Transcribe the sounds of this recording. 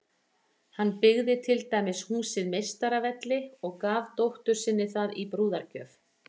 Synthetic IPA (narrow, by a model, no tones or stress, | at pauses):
hanːpɪɣðɪt̪ʰɪlt̪aːjmɪshuːsɪðmejst̪aɾavɛt̪lɪɔɣkaːvt̪owht̪ʏɾ̥sɪnːɪθaðipɾuːðaɾcœːf